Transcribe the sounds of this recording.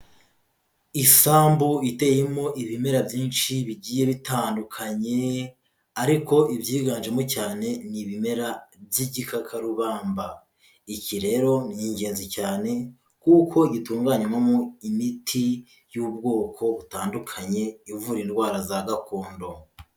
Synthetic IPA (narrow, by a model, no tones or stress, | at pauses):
isaːmbuite̞jemo̞ʔiβime̞ɾabɟiːnʃiβiɟiːje̞βitaːndukʰaɲe̞ | aɾiko̞ʔibɟiːɡaːnʒemocaːne̞niβime̞ɾabjiɟikʰakʰaɾuβaːmba | iciɾe̞ːɾo̞nijiɲɟe̞ːnzicaːne̞ | kukʰo̞iɟituːŋɡaːɲemamoimitʰi | juːb̚ɡo̞ːkʰo̞βutaːndukʰaɲe̞ivuɾinɡwaːɾazaɡakoːndo̞